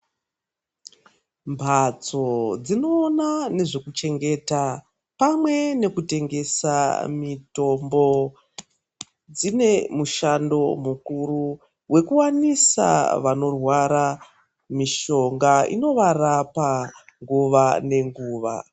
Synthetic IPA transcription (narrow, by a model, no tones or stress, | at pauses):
mbʱat͡so̞d͡zino̞ːnane̞ʐe̞kut͡ʃe̞ŋɡe̞ta | pamwe̞ne̞kute̞ŋɡe̞sa̰mito̞mbo̞ | d͡zine̞muʃando̞mukuru | we̞kuwanisa̰ʋano̞rwaɾa | miʃo̞ŋɡaḭno̞ʋarapaŋɡuʋane̞ŋɡuːʋa̰